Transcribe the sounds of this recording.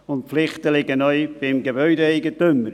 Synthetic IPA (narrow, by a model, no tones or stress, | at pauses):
ʊntflɪχtəlɪɡənœʏb̥ɪmɡebœʏdeɛɪɡətʏmːəɾ